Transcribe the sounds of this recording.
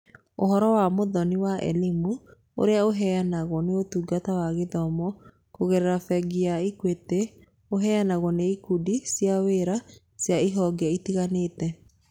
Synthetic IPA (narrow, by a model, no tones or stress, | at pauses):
oɦɔɾɔwamoðɔniwaʔɛ̰limu | o̰ɾeaoɦɛjanaɣwɔneotuːɡatawaɣeðɔmɔ | koɣeɾɛɾafɛɡiaikwete | oɦɛjanaɣwɔneikudisijaweɾa | sjaiɦɔɡiaitiɣaneːtɛ